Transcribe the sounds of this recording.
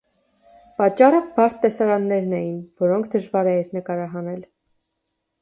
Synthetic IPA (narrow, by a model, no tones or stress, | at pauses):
pɑt͡ʃːɑrəbɑɾt̪ːɛsɑɾɑnːɛɾnɛjinvɔɾɔŋkʰd̪əʒvɑɾɛɛɾnəkɑɾɑɦɑnɛl